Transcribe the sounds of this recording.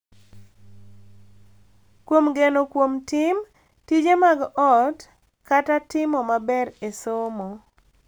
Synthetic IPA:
kwomɡenokwomtɪm | tid͡ʒemaɡɔt | katatɪmɔmabɛɾesomo

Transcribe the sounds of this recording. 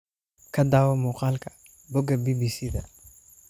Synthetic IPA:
kʰɐd̪aːwɐmʊqaːlkʰɐ̥ | bɔɡɐbibisid̪ɐ

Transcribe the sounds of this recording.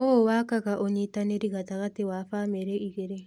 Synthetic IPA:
owaːkaɣaʔoɲitaneɾiɣataɣatewafaːmeɾeiɣeɾe

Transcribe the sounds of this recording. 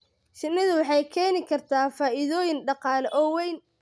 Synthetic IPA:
ʃɪnːɪðʊwɑħɑjkʰɛːnɪkʰɐrt̪ʰaːfaːʔɪðɔːjɪnɖɑqɑːlɛʔɔːwɛjn

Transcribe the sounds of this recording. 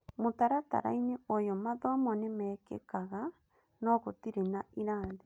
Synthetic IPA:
motaɾata̰ɾa̰ineojɔmaðɔmɔnemɛkḛkaɣa | nɔɣotiɾenaiɾaːnðe

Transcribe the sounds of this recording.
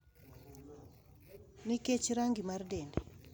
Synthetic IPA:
niket͡ʃɾaŋɡimardɛndɛ

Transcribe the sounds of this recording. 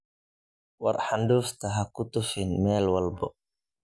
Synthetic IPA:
wɑ̰rħanɖuːft̪ʰɐɦɐkʊt̪ʊfɪnmɛːlwɐlbɔ

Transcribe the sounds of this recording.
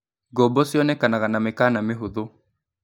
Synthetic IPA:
ɡɔbɔsiɔnɛkanaɣanamekanameɦuðo

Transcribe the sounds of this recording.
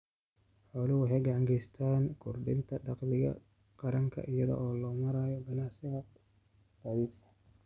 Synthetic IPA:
ħɔːlɪwʊħɛjɡɑʕɑŋɡʰɛjst̪ʰaːnkʰʊrɖɪnt̪ʰɐɖɑqlɪɣɐ̰ | qɑɾɐŋkʰɐ̰ʔɪjɐðɔ̰ʔɔːlɔːmɐɾaːjɔɡɐnaʕsɪɣɐ | b̥aːðiːd̪kʰɐ̥

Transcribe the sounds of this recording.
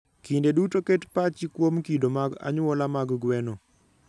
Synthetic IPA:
kindedutoketpat͡ʃikwomkidomaɡa̰ɲɔlamaɡɡwɛnɔ

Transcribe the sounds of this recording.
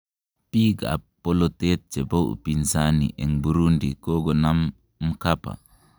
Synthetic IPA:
piɡa̰polot̪et̪̚t͡ʃebowʔpinsanḭʔɛŋbuɾundikoɡɔnamː | kapa̰

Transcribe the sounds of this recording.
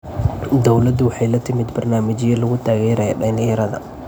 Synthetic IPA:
d̪ɔwlɐd̪ʊwɑħɑjlɐt̪ʰɪmɪd̪bɐrnaːmɪt͡ʃɪjɐlɐɣʊt̪ʰaːɣɛːɾɐjɔ̰ɖɐnɪɛɾɐðɐ̰

